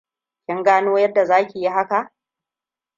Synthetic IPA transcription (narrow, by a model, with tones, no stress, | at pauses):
kʲɪ˦ŋɡaː˦noː˦jɐ˦dːa˨zaː˦kʲi˨ji˦ɦa˦ka˨ʔ